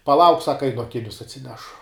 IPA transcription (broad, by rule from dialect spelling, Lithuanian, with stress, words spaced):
pɐˈlˠɐʊk ˈsɑːkɐ ˈɐɪnʊ ɐˈkʲɪnʲʊs ɐtʲsʲɪˈnʲæːʃʊ